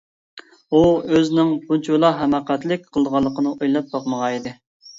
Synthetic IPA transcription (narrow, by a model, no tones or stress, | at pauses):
uøznɪŋbunt͡ʃʰulˠɑɦɛmɑqæt̪lɪk̚ʲqʰəlˠd̪əʁɑlˠːəqʰənɨʔojlˠɑp̚bɑqməʁɑid̪ɪ